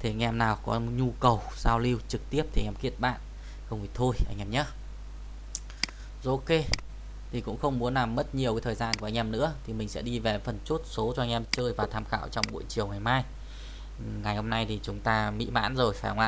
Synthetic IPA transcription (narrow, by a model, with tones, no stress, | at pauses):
t̪ʰi˨˩a˧ŋʔɛ˧mnaː˨˩wkɔ̰˨˦ɲu˧kə˨˩wzaː˧wli˧wt͡ɕɨ˨˩k̚t̪i˦˥əp̚t̪ʰi˨˩˨ʔɛ˧mki˦˥ət̚ɓa̰ː˧˨n | xə˧wŋ͡mʔi˧˩t̪ʰo˧jʔa˧ŋ̟ʔɛː˧mɲə˦˥ | zo˨˧˦ke˧ | t̪ʰi˨˩kʊ̰˧˥ŋ͡mxə˧wŋ͡mmu˨˦əna˨˩mːə˦˥t̚ɲi˨˩əwkaː˨˦t̪ʰəː˨˩jzaː˧nku˨˩ʔa˧ŋ̟ʔɛ˧mnɨ̰˧˥ət̪ʰi˨˩mï˨˩ŋ̟sɛ̰˧˥ɗi˧ve˨˩fə˨˩nt͡ɕu˦˥t̚so˨˦t͡ɕɔ˧ʔa˧ŋ̟ʔɛ˧mt͡ɕəː˧jvaː˨˩t̪ʰaː˧mxa̰ː˧˨wt͡ɕɔ˧wŋ͡mɓṵ˧˨jt͡ɕi˨˩əwŋa˨˩jmaː˧j | ŋa˨˩jho˧mna˧jt̪ʰi˨˩t͡ɕʊ˨˦ŋ͡mt̪aː˧mḭ˧˥ma̰ː˧˥nzo˨˩jfaː˧˩ha˧ŋ͡mʔa̰ː˧˩